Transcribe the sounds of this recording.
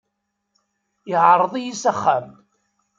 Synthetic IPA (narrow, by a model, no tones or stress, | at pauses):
ɪʕɾˤðˤijisæχːæm